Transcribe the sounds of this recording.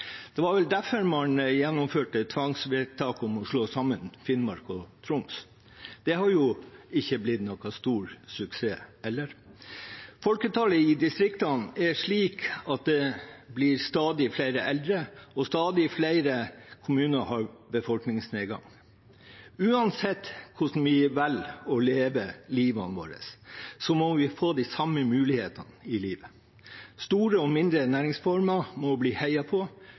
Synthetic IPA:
d̪̥ɛʋɑɾʋɛld̪æfəɾmɑnjɛnːɔmføːʈət̪ʰʋɑŋsʋet̪ʰɑːkɔmɔʂɭoːsɑmːənfɪnmɑɾkɔt̪ʰɾʊms | d̪̥ɛɦɑɾjʊɪçːəblɪd̪nɔkɑst̪uːɾsʉkseːɛlːəɾ | fɔlkət̪ʰɑːləɪd̪ɪst̪ɾɪkt̪ɑnɛʂɭiːkɑt̪̚d̪ɛblɪɾst̪ɑːd̪ɪflæɪɾəʔɛld̪ɾəɔst̪ɑːd̪ɪflæɪɾəkʰʊmʉːnəhɑɾbəfɔlknɪŋsneːɡɑ̰ŋ | ʉːɑnsɛt̪ːkʰʊʂn̩ʋɪʋɛlɔleːʋəliːʋɑ̰nʋo̰ːɾə̰sːɔmɔʋɪfoːd̪ɪsɑmːəmʉːlɪheːt̪ɑnɪliːʋə | st̪uːɾəɔmɪnd̪ɾənæːɾɪŋsfɔɾmɑmɔbliːhæɪɑpʰɔ

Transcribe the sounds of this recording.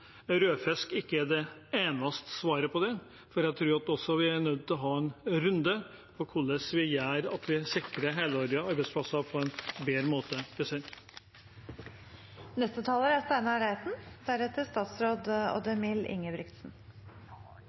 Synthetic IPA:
ɾøːfɛskɪkːəæɖ̪ɛeːnɑst̪ə̥sʋɑːɾəpʰɔd̪ɛ | fɔɾjæɡt̪ʰɾʉːɾɑt̪ɔsːɔʋɪænœd̪̚t̪ʰɪlɔɦɑːɛnɾʉnd̪ə | pʰɔkʰʊɭːəsʋɪjæːɾɑt̪ʰʋɪsɪkɾəɦeːləɑɾəɑɾbæɪspʰlɑsɑpʰɔɛnbeːɾəmoːt̪əbəseɾ | nɛst̪ət̪ʰɑːləɾæst̪æɪnɑɾæɪt̪n̩d̪æɾɛt̪əst̪ɑːt̪sɾoːd̪ɔ̰d̪əmɪlʔɪ̰ŋːəbɾɪkt̪sn̩

